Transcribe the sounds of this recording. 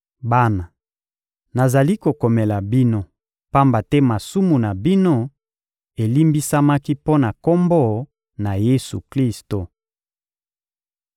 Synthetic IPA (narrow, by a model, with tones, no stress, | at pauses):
ba˦na˨ | na˨za˨li˦ko˨ko˨mɛ˨la˨bi˦no˦ | pa˦mba˨tɛ˦ma˨su˦mu˨na˨bi˦no˦ | e˨li˦mbi˦sa˦ma˦ki˦po˦na˨ko˦mbo˦ | na˨je˦sṵ˨kli˦sto˨